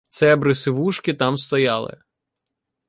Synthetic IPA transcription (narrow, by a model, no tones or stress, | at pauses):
t̪sɛbɾɪsɪʋuʃkɪt̪ɑmst̪ɔjɑlˠɪ̰